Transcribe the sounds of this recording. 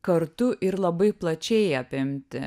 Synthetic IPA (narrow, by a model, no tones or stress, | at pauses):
kɐɾt̪ʊʔɪɾlˠɐbɐɪplˠɐt͡ʃʲɛɪɐpʲɪmʲt̪ʲɪ̰